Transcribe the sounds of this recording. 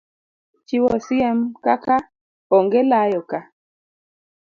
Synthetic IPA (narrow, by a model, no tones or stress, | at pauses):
t͡ʃiwɔsiemkaka | ɔŋɡelajɔka